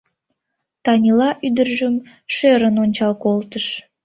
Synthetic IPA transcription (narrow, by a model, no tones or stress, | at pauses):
t̪ɑnʲilɑʔyd̪ərʒəm | ʃøɾənonʲt͡ɕɑlkolt̪əʃ